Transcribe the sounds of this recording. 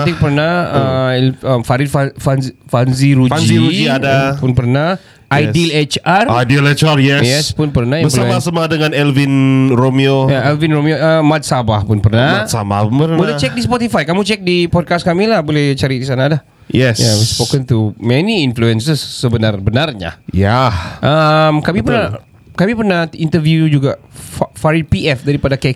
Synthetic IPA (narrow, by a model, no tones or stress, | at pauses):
tikpərnaəəmfaɾid̚fafanzfanziɾufanziɾud͡ʒiadapʊnpərnah | ʔajdilet͡ʃarajdilɛt͡ʃaɾjɛsjɛspʊnpərnaĩbəflaɛmasamadəŋanɛlvinromiojaɛlvinromioəmat̪̚sabahpʊnpərnamsaba̰ənbudat͡ʃɛk̚dispɔt̪ifajkamut͡ʃɛk̚dipɔd̚kas̚kamilahbolɛht͡ʃaɾidisanalah | jɛsjawɔspokə̃nt̪umɛniinfluɛnsəsːəbənarbənarɲa̰jaʔəmkamipərna | kamipərnahint̪əvjud͡ʒuɡafaɾipiɛfdaɾipadakɛk